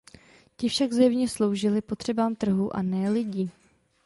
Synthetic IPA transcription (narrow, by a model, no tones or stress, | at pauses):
cɪfʃaɡzɛmɲɛslo̞wʒɪlɪpo̞t̪r̝̥ɛbaːmt̪r̩ɦuʔa̰nɛːlɪɟiː